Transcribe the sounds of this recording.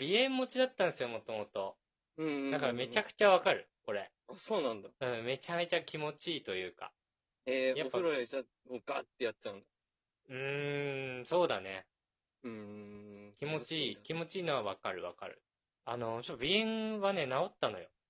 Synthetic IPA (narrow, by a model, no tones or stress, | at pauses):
b̥ʲiẽ̞mːo̞t͡ɕid̪at̪ːãnsɨjo̞mo̞t̪o̞mo̞t̪o̞ | ɯ̟̃ːd̪akaɾame̞t͡ɕakɯ̥t͡ɕaβakaɾɯ̟ko̞ɾe̞ | asoːnãnd̪aɯ̟̃ːme̞t͡ɕame̞t͡ɕakʲimo̞t͡ɕiːt̪o̞jɯ̟ːka̰ | ejaopːaoɾoit͡ɕa | oɡat̪ːe̞jatːt͡ɕaɯ̟̃nd̪a | ɯ̃ | so̞ːd̪a̰nḛ | ɯ̃ | kʲimo̞t͡ɕiːkʲimo̞t͡ɕiːno̞βaβakaɾɯ̟βa̰ka̰ɾɯ̟̰ | ano̞t͡ɕot̪ːbʲiẽ̞ɰ̃βane̞nao̞t̪ːano̞jo̞̰